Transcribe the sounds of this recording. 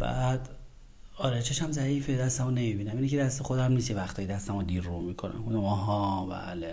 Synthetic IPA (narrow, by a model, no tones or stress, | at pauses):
b̥æ̰d̪ | ɒɾet͡ʃʰeʃæmzæiːfed̪æst̪æmone̞mibiːnæmiːnicʰed̪æst̪exod̪æmniːsevæxt̪ʰɒːjed̪æst̪æmod̪iɾːumikʰonæ̰munomɒɦɒbæ̰ːle